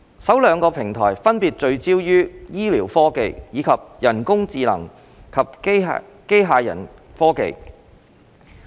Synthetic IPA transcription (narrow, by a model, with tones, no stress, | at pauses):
sɐ˨˥wlœː˨˧ŋkɔː˧pʰɪ˨˩ŋt̪ʰɔ̰ː˨˩jfɐ˥npiː˨t̚t͡ʃɵ˧ɥt͡siː˥wjyː˥jiː˥liː˨˩wfɔː˥ke˧jjiː˨˧kʰɐ˨p̚jɐ˨˩nkʊ˥ŋt͡siː˧lɐ̰˨˩ŋ | kʰɐ˨p̚ | ke˥jɦaː˧jɐ̰˨˩n | fɔː˥kḛ˧j